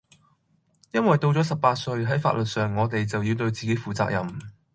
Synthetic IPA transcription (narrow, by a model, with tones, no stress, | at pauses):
jɐ˥nwɐ˨˩jt̪o˧wt͡sɔ˨˥sɐ˨p̚paː˧t̚sɵ˧ɥɦɐ˨˥jfa̰ː˧t̚lɵ˨t̚sœː˨ŋːɔː˨˧t̪e˨jt͡sɐ˨wji˧wt̪ɵ˧ɥt͡siː˨ke˨˥jfuː˨˩t͡sa̰ː˧k̚jɐ˨m